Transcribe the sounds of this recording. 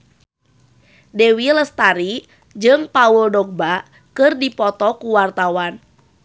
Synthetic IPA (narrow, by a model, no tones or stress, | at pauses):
dewiləst̪aɾi | d͡ʒɨŋpauldɔk̚baʔ | kɨrdipɔt̪ɔkuwart̪awan